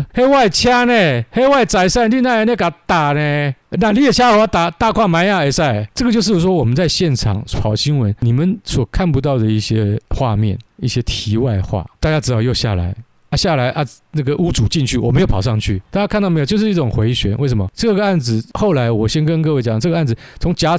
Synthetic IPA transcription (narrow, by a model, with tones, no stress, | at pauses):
he˥wa˥˩ɪt͡ɕʰja˥ne˨˩xe˥ɪwa˥˩ɪt͡sa˧˥ɪsa˥˩nli˥˧na˥˩ɪ˧˥˦nɛ˥˩ka˨˥˦t̪a˨˩ne˨˩na˥˩˨li˥e˨˩t͡ɕʰja˥o˨˩a˥t̪a˨˩t̪a˥˧˨kʰwa˥˩ma˧˥˦nja˥˧e˨˩sa˥˩ɪt͡sɤ˥˩ɡə˨t͡ɕjʂɻ̩˥˩˥ʂwɔ˥wɔ˨˩mə˦nt͡sa˥˧ɪɕjɛ˥˩nʈ͡ʂʰɑ̰˨˩ŋt͡sʰwɑ˨˩ʊɕi˥ŋwə˧˦nni˨˩mə˨˦nswɔ˨˩kʰa˥˨npu˧˥t̪ɑ˥˩ʊd̪ə˩i˥˩ɕjɛ˦˥xwa̰˥˧mjɛ̰˥˩nḭ˥˩ɕjɛ˦t̪ʰi˧˥wa˥˧ɪxwa̰˥˩t̪a˥˧t͡ɕja˥˩ʈ͡ʂɻ̩˧˥t̪ɑ˧jo˥˧ʊɕja̰˥˩la̰˧˦ɪ | a˥˧ɕja˥˩la˧˥ɪʔa˧˩na˥˩ɡə˨ʔu˥ʈ͡ʂu˨˩t͡ɕi˥˧nt͡ɕʰy˥˩wɔ˨˩me˧˦˥jpʰʊʂɑ˥˧ŋt͡ɕʰy̰˥˩t̪a˥˩t͡ɕja˥kʰa˥˧nt̪ɑ˥˩m˧˥˧jt͡ɕjo˥˧ʊʂɻ̩˥˧i˥˩ʊ˨˩ŋxwe˧˥ɪɕɥɛ̰˧˥nʔwe˥˩ɪs̬ə˧˦mɐ˦ʈ͡ʂɤ˥˩ɡə˩a˥˩nd͡zɹ̩˨˩xo˥˩ʊla˧˥ɪwɔ˨˩ɕjɛ˥nkə˦nk̬ɤ˥˧we˥˩t͡ɕjɑ˨˩ʈ͡ʂɤ˥˩ɡə˧a˥˩nd͡z̩˨˩t͡sʰʊ˧˥ŋt͡ɕja˥